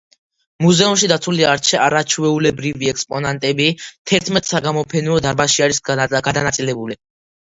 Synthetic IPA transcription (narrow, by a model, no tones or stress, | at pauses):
muzɛumʃid̪at̪sʰuliaɾt͡ʃʰɛaɾat͡ʃʰvɛulɛbɾiviɛkspʼɔnant̪ʼɛbit̪ʰɛɾt̪ʰmɛt̪ʼsaɡamɔpʰɛnɔɔd̪aɾbaʃiaɾisɡad̪anat̪sʼilɛbuli